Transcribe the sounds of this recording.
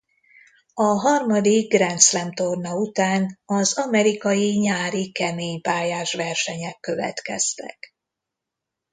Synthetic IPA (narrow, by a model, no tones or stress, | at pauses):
ɒɦɒrmɒd̪iɡɡrɛnt̪slɛmt̪ornɒut̪aːnɒzɒmɛɾikɒjiɲaːɾikɛmeːɲpaːjaːʃʋɛrʃɛɲɛkːø̞vɛ̰t̪kɛ̰st̪ɛ̰k